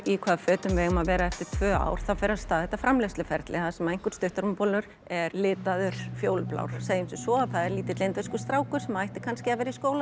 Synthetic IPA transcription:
ikʰvaːðfœːt̪ʏmvɛːɣʏmaðvɛːɾaɛft̪ɪɾ̥t̪ʰvœːa̰ːwɾ̥θafɪɾast̪aːðɛt̪afɾamlefst̪lɪfɛɾt̪lʔɪθaðsɛmaejŋ̥kʏɾ̥st̪ʏht̪ʏɾʏmpɔlʏɾ̥ | ɛɾlɪːt̪aðʏɾ̥fjoːwlpla̰wɾ̥seːjɪmsɪsɔaθaðɛɾliːt̪ɪt̪lejnt̪vɪskʏst̪ɾaːwkʏ̥sɛmajht̪ɪ̥kʰanscɪavɛːɾaiskoːwla

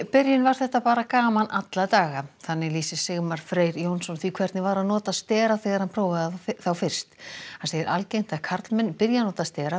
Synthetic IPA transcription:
pɪɾjɪnvaɾ̥θɛht̪apaːɾakaːmanat̪lat̪aːɣaθanːɪliːsɪsɪɣmaɾ̥fɾeːjɾjownsɔnθvikʰvɛɾt̪nɪvaɾaðnɔːt̪ast̪ɛːɾaθɛːɣaɾ̥hanpʰɾoːwvaðaθawfɪr̥st̪hansejɪɾʔalcejn̥t̪akʰaɾt̪lmɛnːpɪɾjanɔːt̪ast̪ɛːɾa

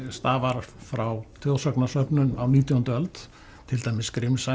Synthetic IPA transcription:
st̪aːvaɾ̥fɾawt̪ʰjowsœknasœpnʏnawniːt̪jɔhnt̪œlt̪ | t̪ʰɪlt̪aːjmɪskɾɪmsa

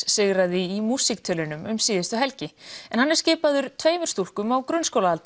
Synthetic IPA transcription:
sɪɣɾaðɪimuːsik̚t̪ʰœːlɪnʏmʏmsiːðɪst̪ʏɦɛlcɪɛnhanːɪɾ̥scɪːpaðʏɾ̥t̪ʰveːjmʏɾ̥st̪ur̥kʏmawkɾʏnskowlaalt̪

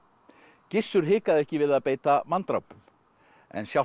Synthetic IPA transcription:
cɪsːʏɾ̥ɦɪːkaðɛhcɪvɪðaðpeːjt̪amant̪ɾa̰wpʏm | ɛ̰nsjaw

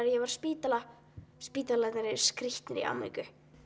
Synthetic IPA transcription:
ɾjɛvaɾ̥spiːt̪ala | spiːt̪alat̪naɾɪ̥skɾiht̪nɪɾḭʔa̰wmḭkʏ

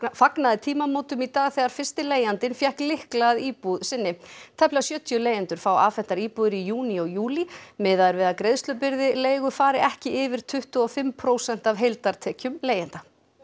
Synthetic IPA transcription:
faknaðɪt̪ʰiːmamoːwt̪ʏmit̪aːɣθɛːɣaɾ̥fɪrst̪ɪleːjant̪ɪnfjɛhklɪhklaːðiːpuðsɪnːɪt̪ʰɛhplasjœːt̪ʰjʏleːjɪnt̪ʏɾ̥fawa̰ːfɛn̥t̪aɾiːpuðɪɾijuːniɔɣjuːlimɪːðaðɾvɪðaðkɾeðst̪lʏpɪɾðɪleːjɣʏfaːɾɪʔɛhcɪʔɪvɪɾ̥t̪ʰʏht̪ʏɔfɪmpʰɾowsɛn̥t̪avɦejlt̪aɾ̥t̪ʰɛːcʏmleːjɪnt̪a

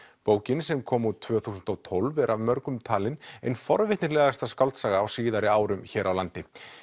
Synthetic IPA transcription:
poːwcɪnsɛmkʰɔːmut̪ʰːv̥œːθuːsʏnt̪ɔwt̪ʰolvɛɾʔavmœɾkʏmt̪ʰaːlɪnḛjnfɔɾvɪht̪nɪɾlɛːɣast̪askawlt̪saːɣaːwsiːðaɾɪaːwɾʏmçɛːɾʔawlant̪ɪ

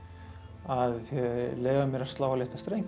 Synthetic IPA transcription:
aðθɛleːjvamjɛɾḁst̪laːwvalɪht̪ḁst̪ɾejŋ

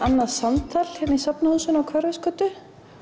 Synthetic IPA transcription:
anːaðsamt̪ʰaːlhɛnːisapnahuðsʏnawkʰvœɾðɪskœːt̪ʏ

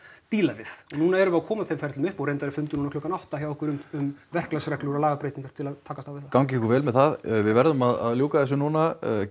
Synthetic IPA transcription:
t̪iːlavɪðɔɣnuːnaɛɾʏaðkʰɔːmaθejmfɛɾt̪lʏmʏhpɔɣrejnt̪aðɾɪɾfʏnt̪ɪnunkʰlʏːkanawht̪açjawɔhkvʏɾʏmʏmvɛr̥klasɾɛklʏɣɾalaːɣapɾeːjt̪iŋkaɾ̥t̪ʰɪlaðt̪ʰaːkast̪avɪðθakawŋc̬ɪɛhkʏɾvɛːlmɛðθaðvɪðvɛɾðʏmaða̰ðljuːkaðɛs̬ʏnuːna

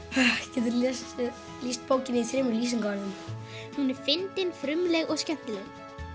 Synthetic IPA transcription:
acɛːt̪ʏɾl | liːst̪̚pʰoːwcɪnɪiθɾɪːmʏliːs̬ɪŋkaɾam | hunɛɾ̥fɪnt̪ɪnfɾʏmlɛɣɔɣscɛn̥t̪ɪlɛɣ

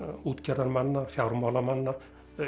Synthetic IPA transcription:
uːt̪kʲerɑnmɑnːɑfɑurmɑlɑmɑnːɑ

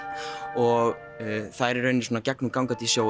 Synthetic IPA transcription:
ɔɣ | θaðɛɾɛɾœɥnːɪsoɔːnacɛknukawŋkat̪isjoːw

